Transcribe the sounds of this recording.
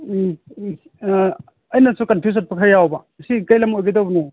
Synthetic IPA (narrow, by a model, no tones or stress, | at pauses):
ɐjnasukɐnpʰjus̬at̚pakʰajawba | sikɐjlɐmojɡedawbnɔ